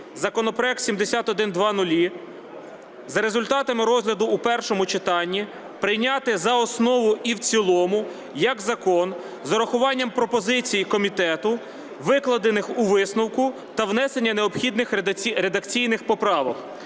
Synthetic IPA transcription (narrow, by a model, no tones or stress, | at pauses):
zɐkɔnɔpɾɔɛk̚t̪sʲimd̪esʲat̪ɔd̪ɪnd̪ʋɑnʊlʲi | zɐɾezʊlʲt̪ɑt̪ɐmɪɾɔzʲlʲɐd̪ʊːpɛrʃɔmʊt͡ʃɪt̪ɑnʲːi | pɾɪjnʲɑt̪ɪzɐɔsnɔʋʊiwt͡sʲilˠɔmʊ | jɐɡzɐkɔn | zɔɾɐxʊʋɑnʲːɐmpɾɔpɔzɪt͡sʲijikɔmʲit̪ɛt̪ʊ | ʋɪklˠɐd̪enɪxuʋɪsnɔwkʊ | t̪ɐwnɛse̞nʲːɐneɔpxʲid̪nɪxʲiɾed̪ɐkt͡sʲijnɪxpɔpɾɑʋɐx